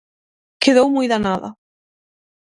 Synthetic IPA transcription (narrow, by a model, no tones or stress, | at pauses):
keðowmujðanaða̰